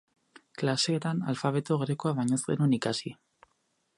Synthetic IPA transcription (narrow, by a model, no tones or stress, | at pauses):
klase̞ːt̪ana̰lfaβe̞t̪oɣɾekoaβajɲozɡe̞̰nunikasi